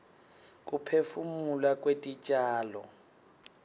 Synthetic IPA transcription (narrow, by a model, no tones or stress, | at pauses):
k̬ʼupʰefumulakʼwetʼit͡ʃʼaːlɔ̰